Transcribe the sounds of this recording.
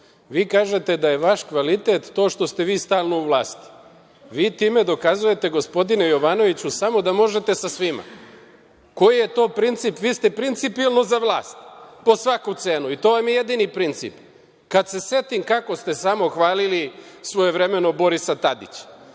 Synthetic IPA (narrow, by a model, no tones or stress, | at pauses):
ʋiːkaːʒe̞t̪e̞d̪aje̞ʋaʃkʋalit̪et̪ːo̞ːʃt̪o̞st̪e̞ʋiːst̪aːlˠnouʋlˠaːst̪i̥ | ʋiːt̪iːme̞d̪o̞kazuje̞t̪eɡo̞spo̞d̪inejo̞ʋano̞ʋit͡ɕusamo̞d̪amo̞ʒe̞t̪e̞sasʋima̰ | ko̞jije̞t̪o̞ːpɾint̪sipʋiːst̪e̞pɾint̪sipilˠno̞zaʋlˠaːst̪po̞sʋakut̪se̞ːnuit̪o̞ːʋamjijed̪inipɾint̪sḭp | kad̪se̞se̞t̪imkako̞st̪e̞samo̞xʋaːlilisʋo̞je̞ʋɾe̞me̞no̞bo̞ɾisat̪ad̪ḭt͡ɕḁ